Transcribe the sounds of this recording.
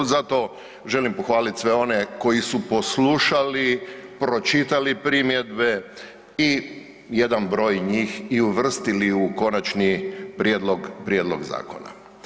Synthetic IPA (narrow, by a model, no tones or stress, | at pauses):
zat̪o̞ | ʒe̞limpoxʋaːlit̪sʋe̞o̞ne̞ko̞jisupo̞sluʃalipɾo̞t͡ʃit̪alipɾimjed̪be̞ | i | je̞d̪anbɾo̞ːjɲiːxiuʋr̩st̪iliuko̞nat͡ʃnipɾed̪loɡpɾjed̪lo̰ɡza̰ːko̰na̰